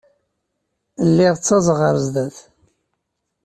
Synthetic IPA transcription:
lːiʁt͡sːɑzˤʁəɾˤzd̪æθ

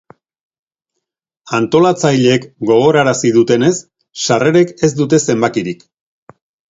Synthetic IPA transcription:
ant̪o̞lat͡sajʎe̞ːkɡo̞ɣ̞o̞ɾaɾasið̞ut̪e̞ne̞s | ʃare̞ɾe̞ke̞zd̪ut̪̬e̞se̞mbakiɾik

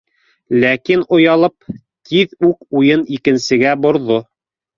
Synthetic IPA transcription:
lækinŏjɑlˠɤp̚ | t̪ʰiðʉkujɤnikɘ̆nsɘ̆ɡæbŏɾðo

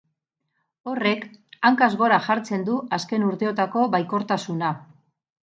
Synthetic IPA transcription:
o̞re̞kaŋkazɣo̞ɾaʝaɾt͡se̞nd̪uaske̞nuɾt̪e̞o̞t̪ako̞βajko̞ɾt̪asuna

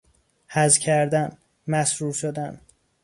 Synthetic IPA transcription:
hæzcʰæɾd̪æn | mæsɾuːɾʃod̪æn

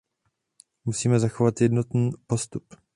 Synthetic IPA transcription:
musiːmɛzaxovat̪jɛdnot̪niːpo̞st̪up

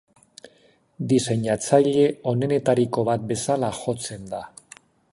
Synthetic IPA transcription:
d̪ise̞ɲat͡saʎe̞o̞ne̞ne̞t̪aɾiko̞βat̪̚be̞salaxo̞t͡se̞nd̪a

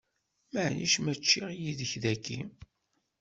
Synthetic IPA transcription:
məʕniʃmət͡ʃːiʁjiðəçðækːḭ

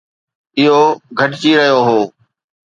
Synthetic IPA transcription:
ɪɦoɡʱɐʈt͡ɕiɾɐɦijoɦoː

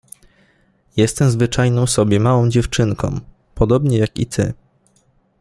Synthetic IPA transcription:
jɛst̪ɛmzvɘt͡ʂajnɔ̃w̃sɔbʲjɛmawɔ̃w̃d͡ʑɛft͡ʂɘŋkɔ̰̃w̃ | pɔd̪ɔbɲɛjakḭt̪ʰɘ̰

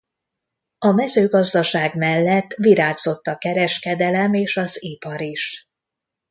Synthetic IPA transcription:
ɒmɛzøːɡɒzd̪ɒʃaːɡmɛlːɛt̪ːʋiɾaːɡzo̞t̪ːɒkɛɾɛʃkɛd̪ɛlɛmeːʃɒzipɒɾiʃ

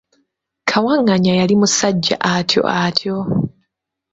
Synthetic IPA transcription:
kʰawaŋːaɲajalimusaɟːa̰ʔatʰjo̞̰ʔatʰjo

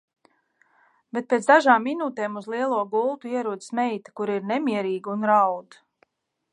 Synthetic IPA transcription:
bet̪̚peːt̪zd̪aʒaːmːinuːt̪ɛːmuzlˠiɛlˠuɔɡulˠt̪uiɛɾuːd̪smɛjt̪ḁkuɾiɾnɛmʲiɛɾiːɡunɾawd̪

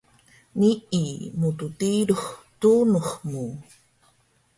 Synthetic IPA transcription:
niʔimututiɾuχtunuχmu

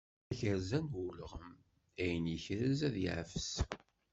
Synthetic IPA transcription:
æçəɾzænwuləʁəm | æjənjəçɾæzæðjə̰ʕfəs

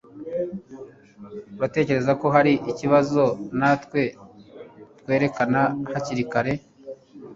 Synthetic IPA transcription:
ɾate̞ːce̞ɾe̞zako̞ɦaɾiʔiciβazo̞natwe̞ | tkwe̞ːɾe̞kanahaciɾikaɾe̞

